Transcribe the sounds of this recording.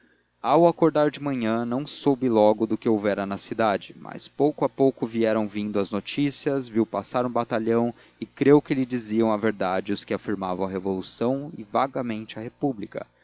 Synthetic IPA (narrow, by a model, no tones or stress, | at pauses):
awakoɾd̪aɾd͡ʒɪmɐ̃ɲɐ̃nɐ̃w̃sobɪlɔɡʊd̪ʊkɪowvɛɾɐnɐsid̪ad͡ʒɪma̰spowkʊapowkʊviɛɾɐ̃w̃vĩnd̪ʊɐznot͡ʃisiɐzviwpasaɾũbat̪aʎɐ̃w̃ | ɪkɾewkɪlɪd͡ʒiziɐ̃w̃ɐveɾd̪ad͡ʒɪʊskɪafiɾmavɐ̃w̃ɐɦevolusɐ̃w̃ɪvaɡɐmẽnt͡ʃɪɐhepublikɐ̰